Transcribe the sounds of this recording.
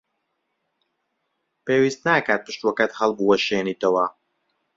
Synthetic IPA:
peːwiːst̪naːkaːt̪̚pɨʃt̪wɐkɐt̪hɐlˠbuːɐʃeːniːt̪ɐwɐ

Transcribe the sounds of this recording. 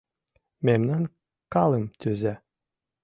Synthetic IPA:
memnʲæn | kɑlˠəmt̪ʲyzæ

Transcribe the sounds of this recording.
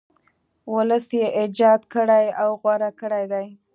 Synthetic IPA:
wʊləsjeʔɪd͡ʒɑd̪kəɽajawɣwaɾakəɽajd̪aj

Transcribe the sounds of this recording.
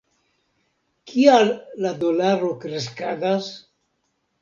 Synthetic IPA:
kʰialːad̪olaɾokɾeskad̪as

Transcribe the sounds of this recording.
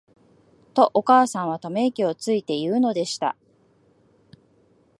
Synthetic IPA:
t̪o̞ʔokaːsãɰ̃β̞at̪ome̞kʲio̞t͡sɨit̪e̞jɯ̟ːno̞d̪e̞ɕi̥t̪a̰

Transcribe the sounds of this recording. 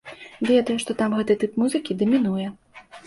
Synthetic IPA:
vʲɛd̪ɐjuʂt̪ɔt̪amɣɛt̪ɨt̪ɨpmuzɨkʲid̪ɐmʲinujɛ

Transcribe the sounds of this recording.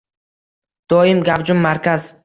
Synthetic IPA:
d̪̥ɒjɪmɡʲavd͡ʒʊmːaɾkʲʰaz

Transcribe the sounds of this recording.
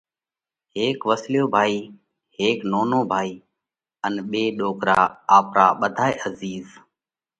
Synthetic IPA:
ɦeːkʋəsljoːbʱaːiː | heːknoːnoːbʱaːiː | ənɓeːɗoːkɾa̰ːaːpɾa̰ːɓəd̪ʱaːeːʔəziːz

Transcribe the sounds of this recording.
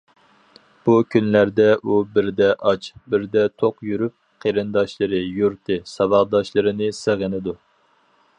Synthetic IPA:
b̥ukʲʰynlæɾd̪ɛʔubɪɾd̪ɛʔɑt͡ʃbɪɾd̪ɛt̪ʰoqjyɾyp̚qʰeɾɨnd̪ɑʃlˠɨɾɨjuɾt̪ʰɨsɑvɑʁd̪ɑʃlˠɨɾɨnɨsɨʁɨnɨd̪u

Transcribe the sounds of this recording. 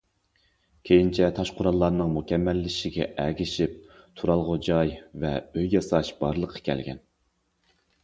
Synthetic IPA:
kʲʰejint͡ʃʰɛt̪ʰɑʃqʰʊɾɑlˠːɑɾnɨŋmukʲɛmːɛlːɪʃɪɡʲɛ̰ʔɛɡʲɪʃip̚ | t̪ʰuɾɑlˠʁod͡ʒɑjvɛ̰øjːjɑsɑʃb̥ɑɾlˠəqʰːə̥kʲʰɛ̰lɡʲɛ̰n

